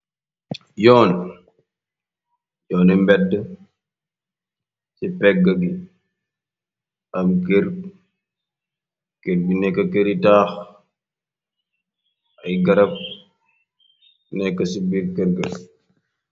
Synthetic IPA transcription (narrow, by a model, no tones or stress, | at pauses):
jɔːn | jɔːnɛmbɛdːə | cipɛɡɐɡi | ɐmkeɾ | keɾɡinɛkːɐkeɾitaːx | ʔɐjɡɐɾɐp̚ | nɛkːɐsibiɾkɛɾɡɐ